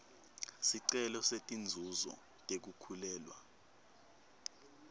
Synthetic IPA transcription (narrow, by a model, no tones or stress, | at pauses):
siǀɛlɔsetʼind͡zʱuzɔ̰ | tʼek̬ukʰulɛːlwa̰